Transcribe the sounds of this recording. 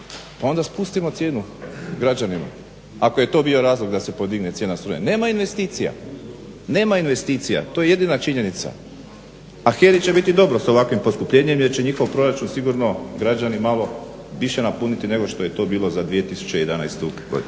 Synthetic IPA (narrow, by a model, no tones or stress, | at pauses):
pao̞nd̪aspust̪imo̞t̪sje̞ːnuɡɾad͡ʑanima̰ | akoje̞t̪o̞ːbio̞ɾaːzlˠoɡd̪ase̞po̞d̪iɡne̞t̪sjenast̪ɾuɲḛne̞ːmainʋe̞st̪iːt̪sija̰ | ne̞ːmainʋe̞st̪iːt̪sija̰t̪ojeje̞d̪inat͡ʃiɲe̞nit̪sa̰ | axe̞ɾit͡ɕe̞bit̪id̪o̞bɾoso̞ʋakʋimpo̞skupʎe̞ɲemje̞ɾt͡ɕe̞ɲixo̞ʋpɾo̞ɾat͡ʃunsiɡuɾno̞ɡɾad͡ʒanimalo̞ | ʋiʃenapunit̪ine̞ɡo̞ʃt̪o̞je̞t̪o̞ːbiːlˠo̞zad̪ʋije̞t̪isu̥t͡ɕeije̞d̪ana̰jst̪uɡod̪in